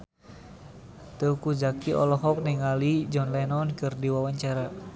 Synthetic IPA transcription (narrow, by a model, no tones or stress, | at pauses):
t̪əukud͡ʒakiʔɔ̰lɔɦɔk̚niŋalid͡ʒɔnlɛnɔnkɨrdiwawaɲt͡ʃaɾa